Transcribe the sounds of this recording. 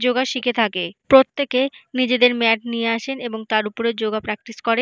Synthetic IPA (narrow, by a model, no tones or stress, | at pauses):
d͡ʑoɡaʃikʰet̪ʰakepɾot̪ːekenid͡ʑed̪eɾmɛʈ̚nieaʃeneboŋt̪aɾupoɾed͡ʑoɡapɾɛk̚ʈiskoɾe